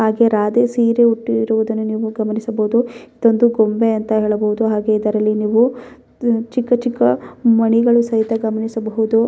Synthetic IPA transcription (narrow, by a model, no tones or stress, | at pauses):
ɦaːɡe̞ɾaːd̪esiːɾeuʈːiɾuʋud̪ɐnːuniːʋuɡɐmɐnisɐbɐɦud̪uid̪o̞nd̪uɡombeɐnt̪ɐɦeːɭɐbɐɦud̪uɦaːɡe̞id̪ɐɾɐlːiniːʋu | t͡ʃikːɐt͡ʃikːɐmɐɳiɡɐɭusɐɦit̪ɐɡɐmɐnisɐbɐɦud̪u